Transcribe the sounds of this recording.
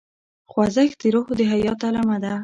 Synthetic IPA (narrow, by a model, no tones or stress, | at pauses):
xwazəxt̪iɾohd̪əɦajɑt̪alamad̪a